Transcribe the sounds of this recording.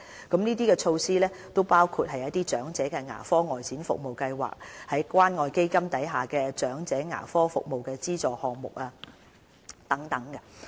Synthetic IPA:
kɐ˨˥mniː˥t̪iː˥kɛː˧t͡ʃʰo˧wsiː˥lɛː˥ | t̪o˥wpaː˥wkʰuː˧t̚hɐ˨jɐ˦˥t̪iː˥t͡ʃœː˨˥ŋt͡sɛː˨˥kɛː˧ŋa̰ː˨˩fɔː˥ŋɔː˨jt͡sʰiː˨˥nfʊ̰˨k̚mo˨wkɐ˧jwa̰ː˨˩k̚hɐ˨˥jkʷaː˥nŋɔː˨˧jke˥jkɐ˥mt̪ɐ˨˥jɦaː˨˩kɛː˧t͡ʃœː˨˥ŋt͡sɛː˨˥ŋa̰ː˨˩fɔː˥fʊ̰˨k̚mo˨wkɛː˧t͡siː˥t͡sɔː˨˩hɔː˨ŋmʊ̰˨k̚aː˧ | t̪ɐ˨˥ŋt̪ɐ˨˥ŋkɛ˧

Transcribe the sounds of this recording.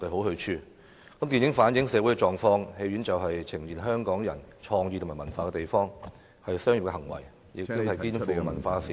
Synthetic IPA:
kɐ˨˧ɦo˨˥whɵ˧ɥt͡ʃʰyː˥˧ | kɐ˦˥mt̪i˨njɪ˨˥ŋfaː˨˥njɪ˨˥ŋsɛː˨˧wu˨˥jkɛ˧t͡ʃɔː˨˩ŋfɔː˥ŋhe˧jɥyː˨˥nt͡sɐ˨wɦɐ˨jt͡sʰɪ˨˩ŋjiː˨˩nɦœː˥ŋkɔː˨˥ŋjɐ̰˨˩nt͡ʃʰɔː˧ŋjyː˧tʰʊ˨˩maː˨˩mɐ˨˩nfaː˧kɛː˧t̪e˨jfɔː˥ŋ | hɐ˨jsœː˥ŋji˨p̚kɛː˧ɦɐ˨˩ŋwɐ̰˨˩j | jɪ˨kt̪ːʊ˥hɐ˨jkiː˥nfuː˨kɛ˧mɐ˨˩nfaː˧siː˨

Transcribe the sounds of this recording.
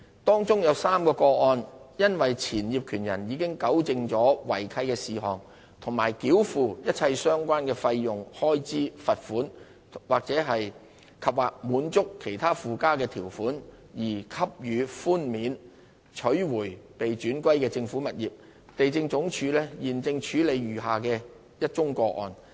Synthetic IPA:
t̪ɔː˥ŋt͡sʊ˥ŋjɐ˨˧wsaː˥mkɔː˧kɔː˧ɔː˧njɐ˥nwɐ˨jt͡sʰiː˨˩njiː˨p̚kʰyː˨˩njɐ̰˨˩njiː˨˧kɪ˥ŋkɐ˨˥wt͡sɪ˧ŋt͡sɔː˨˥wɐ̰˨˩jkʰɐ˧jkɛː˧siː˨ɦɔː˨˩ŋ | t̪ʰʊ˨˩ŋmaː˨˩jkiː˨˥wfuː˨˧jɐ˥t̚t͡sʰɐ˧jsœː˥ŋkʷaː˥nkɛː˧fɐ˧jːʊ˨ŋhɔː˥jt͡siː˥fɐ˨t̚fuː˨˥n | waː˨k̚t͡sɛː˨˥ɦɐ˨j | kʰɐ˨p̚waː˨k̚muː˨˥nt͡sʊ˥kʰːe˨˩jt̪ʰaː˥fuː˨kaː˥kɛː˧t̪ʰiː˨˩wfuː˨˥n | jiː˨˩kʰɐ˥p̚jyː˨˧fuː˥nmiː˨˥n | t͡ʃʰɵ˨˥ɥwuː˨˩jpe˨jt͡ʃyː˨˥nkʷɐ˥jkɛː˧t͡sɪ˧ŋfuː˨˥mɐ˨t̚jiː˨˩p̚ | t̪e˨jt͡sɪ˧ŋt͡sʊ˨˧˥ŋt͡ʃʰyː˨˧lɛː˥jiː˨nt͡sɪ˧ŋt͡ʃʰyː˨˥le˨˧jɥyː˨˩ɦaː˨kɛː˧ | jɐ˥t̚t͡ʃʊ˥ŋkɔː˧ʔɔ̰ː˨n

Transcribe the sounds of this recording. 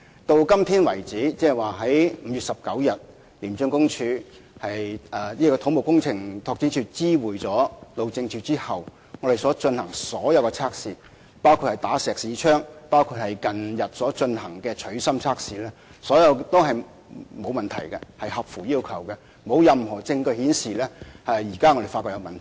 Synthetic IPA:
t̪o˧wkɐ˥mt̪ʰiː˥nwɐ˨˩jt͡siː˨˥t͡sɛː˥˨˩waː˨ɦɐ˨˥jm̩˨˧jyː˨t̚sɐ˨p̚kɐ˨˥wjɐ˨t̚ | liː˨˩nt͡ʃɵ˧ŋkʊ˥ŋt͡ʃʰyː˧ | hɐ˨jɛː˨˩jiː˥kɔː˧t̪ʰʊ˨˥ŋ͡mmo˨wkʊ˥ŋt͡sʰɪ˨˩ŋt̪ʰɔː˧k̚t͡siː˨˥t͡ʃʰyː˧t͡siː˥wuː˨˩jt͡sɔː˨˥lo˨wt͡sɪ˧ŋt͡ʃʰyː˧t͡siː˥hɐ˨w | ŋɔ˨˧de˨jsɔː˨˥t͡ʃɵ˧nhɐ˨˩ŋsɔː˨˥jɐ˨˧wkɛ˧t͡sʰaː˥k̚siː˧ | paː˥wkʰu˧t̚hɐ˨˩jt̪aː˨˥sɛː˨ksiː˨˧t͡ʃʰœː˥ŋpaː˥wkʰuː˧t̚hɐ˨jkɐ˨njɐ˨t̚sɔː˨˥t͡ʃɵ˧nhɐ˨˩ŋkɛː˧t͡ʃʰɵ˨˥ɥsɐ˥mt͡sʰaː˥k̚siː˧lɛː˥sɔː˨˥jɐ˨˧wt̪o˥whɐ˨j | mo˨˧wmɐ˨nt̪ʰɐ̰˨˩jkɛ˧hɐ˨jhɐ˨p̚fuː˨˩jiː˥wkʰɐ˨˩wkɛ˧ | mo˨˧wjɐ˨mhɔː˨˩t͡sɪ˧ŋkɵ˧ɥhiː˨˥nsiː˨lɛː˥hɐ˨jjiː˨˩kaː˥ŋɔː˨˧ɾe˨jfaː˧kɔ˧kjɐ˧wmɐ˨ntʰ

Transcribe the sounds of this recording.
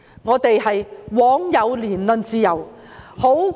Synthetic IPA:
ŋɔː˨˧t̪e˨jhɐ˨jwɔː˨˥ŋjɐ˨˧wliː˨˩nlɵ˧˥nt͡siː˥jɐ˨w | ho˨˥

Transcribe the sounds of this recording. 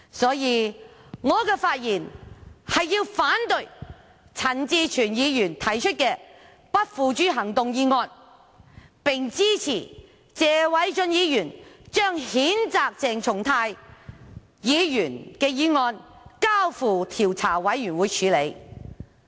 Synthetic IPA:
sɔː˨˥jiː˧ŋɔː˨˧kɛː˧faː˧t̚jiː˨˩nhɐ˨jːiː˧wfaː˨˥nt̪ɵ˨˧ɥ | t͡sʰɐ˨˩nt͡siː˧t͡ʃʰyː˨˩njiː˨˧jyː˨˩nt̪ʰɐ˨˩jt͡ʃʰɵ˥t̚kɛː˧ | pɐ˥t̚fuː˨˧t͡ʃyː˥ɦɐ˨˩ŋt̪ʊ˨ŋjiː˨˧ŋɔː˧n | pɪ˨ŋt͡siː˥t͡sʰiː˨˩ | t͡sɛː˨˧wɐ˨˥jt͡ʃɵ˧njiː˨˧jyː˨˩nt͡ʃœː˥ŋhiː˨˥nt͡saː˧k̚t͡sɛː˨ŋt͡sʰʊ˨˩ŋt̪ʰaː˧j | jiː˨˧jyː˨˩nkɛː˧jiː˨˧ŋɔː˧nkaː˥wfuː˨˩t̪ʰiː˨˩wt͡sʰaː˨˩wɐ˨˥jjyː˨˩nwuː˨˧jt͡ʃʰyː˨˧le˨˧j

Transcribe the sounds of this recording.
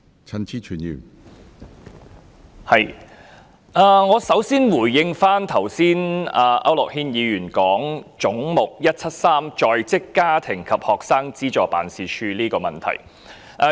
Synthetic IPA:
t͡sʰɐ˧nt͡sʰiː˥t͡ʃʰyː˨˩njḭ˨˩n | hɐ˨j | ʔaː˧ŋɔː˨˧sɐ˨˥wsiː˥nwuː˨˩jːɪ˧ŋfaː˥nt̪ʰɐ˨˩wsiː˥naː˧ʔɐ˥wlʊ˨k̚hiː˥njiː˨˧jyː˨˩nkɔː˨˥ŋt͡sʊ˨˥ŋmʊ˨k̚jɐ˥t̚t͡sʰɐ˥t̚saː˥mt͡ʃɔː˧jt͡sɪ˥kːaː˥t̪ʰɪ˨˩ŋkʰɐ˨p̚hɔː˨k̚saː˥ŋt͡siː˥t͡ʃɔː˨pa̰ː˨nsiː˨˧t͡ʃʰyː˧liː˥kɔː˧mɐ˨˩nt̪ʰɐ̰˨˩j | ʔɐ˧

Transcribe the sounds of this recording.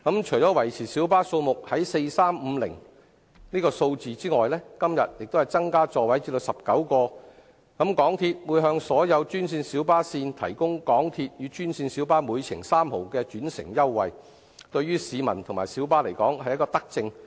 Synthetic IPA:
kɐ˨˥mt͡ʃʰɵ˨˩jt͡ʃɔː˨˥wɐ˨˩jt͡sʰiː˨˩si˨˥wpaː˥so˧wmʊ˨k̚hɐ˨˥jse˧jsaː˥m̩ː˨˧lɪ̰˨˩ŋ | niː˥kɔː˧so˧wt͡siː˨t͡siː˥ŋɔː˨jlɛː˥kɐ˥mjɐ̰˨t̚jɪ˨k̚t̪whɐ˨˩jt͡sɐ˥ŋkaː˥t͡sɔː˨wɐ˨˥jt͡siː˧plo˨wsɐ˨p̚kɐ˨˥wkɔː˧ | kɐ˨˥mkɔː˨˥ŋt̪ʰiː˧t̚wu˨˧jɦœː˧ŋsɔː˨˥jɐ˨˧wt͡ʃyː˥nsiː˧nsiː˨˥wpaː˥siː˧nt̪ʰɐ̰˨˩jkʊ˥ŋkɔː˨˥ŋt̪ʰiː˧t̚jyː˨˧t͡ʃyː˥nsiː˧nsi˨˥wpaː˥muː˨˧jt͡sʰɪ˨˩ŋsaː˥mho˨wkɛː˧t͡ʃyː˨˥nsɪ̰˨˩ŋjɐ˥wːɐ˨j | t̪ɵ˧ɥyː˥siː˨˧mɐ̰˨˩nt̪ʰʊ˨˩ŋmaː˨˩jsi˨˥wpaː˥le˨˩jkɔː˨˥ŋhɐ˨jkɔː˧t̪ɐ˥k̚t͡sɪ˧ŋ

